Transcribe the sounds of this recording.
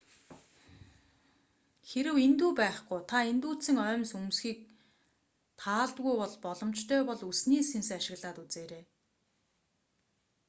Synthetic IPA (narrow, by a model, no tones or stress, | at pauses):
xeɾɘ̆went̪uːpæːχɡujt̪ʰaent̪uːt͡sɘ̆ŋœːmsumsxiːk̚ | t̪ʰaːɮt̪ɣujpɔɮpɔɮɞ̆m̥t͡ɕt̪ʰœːpɔɮusniːsensaʃɪ̆ɣɮaːt̪ut͡seːɾeː